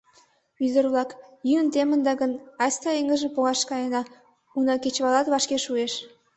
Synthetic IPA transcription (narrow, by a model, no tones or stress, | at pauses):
yd̪ə̆rβlɑkjyənt̪emə̆nd̪ɑɣənɑsʲt̪ɑeŋə̆ʒəmpoɣɑʃkɑjənɑ | unɑket͡ɕβɑlɑt̪βɑʃkeʃueʃ